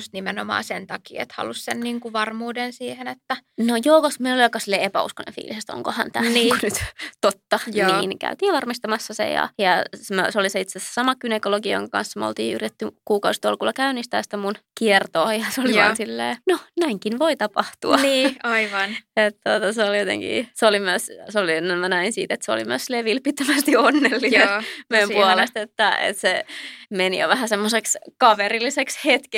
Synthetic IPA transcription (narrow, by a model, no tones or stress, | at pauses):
st̪nimenomɑ̰ːsent̪ɑkḭːḛt̪hɑ̰lussenniːŋkuʋɑrmuːdensiːhenet̪ːænojoːkoskmeloliɑkːɑsilːeːepæ̰ṵskonḛ̃fḭːlisest̪o̰ŋkohɑ̰nt̪æniːŋkunyt̪t̪ot̪ːɑnniːnkæ̰yt̪iːʋɑrmist̪ɑmɑsːɑsḛjɑ̰jɑsmøsoliseit̪sese̥sɑmɑkynekoloɡijo̰ŋkɑkɑ̰nsːɑmeo̰lt̪iːy̰rit̪et̪ːykuːkɑust̪o̰lkulːɑkæynist̪æ̰ːst̪æmunkiert̪oːjɑseoliʋɑnsilːḛːnonæiŋkinʋoit̪ɑpɑht̪uɑiːɑiʋɑnet̪t̪ot̪ɑseoljot̪ḛŋkḭseolimyøsseolienːenmænæinsḭːt̪et̪seo̰lḭmyøsleʋilpit̪ːømæst̪ionːelːisemejmpuolest̪et̪ːæḛt̪semenḭjo̰ʋæhæsemːosekskɑʋerilːisekshet̪ke